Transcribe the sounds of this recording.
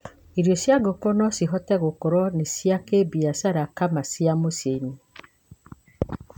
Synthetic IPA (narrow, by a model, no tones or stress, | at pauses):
iɾjosjaɡokonɔsiɦɔtɛɣokoɾɔnesiakebiasaɾakamasiamoseni